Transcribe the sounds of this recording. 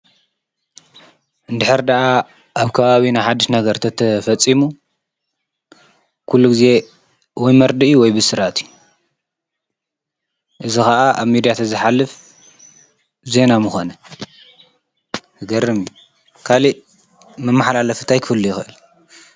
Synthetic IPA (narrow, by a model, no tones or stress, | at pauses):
ʔɨnd̪ɨħɨɾd̪ɐʔa | ʔaβkʰɐβaβinajħad̪iʃnɐɡɐɾt̪ʰɐt̪ʰɐfɐt͡sʼimu | kʰulːuɡɨze̞ | wɔjmɐɾd̪ɨʔjuwɔjbɨsɨɾat̪ʰiju | ʔɨzixɐʔaʔaβmid̪ijat̪ʰɐzɨħalːɨf | ze̞namɨxo̞nɐ | tʰɨɡɐrɨmiju | kʰaliʔ | mɐmːaħalalɐfɨ̥t̪ʰajkʰɨfɨlːujɪxɨʔɨl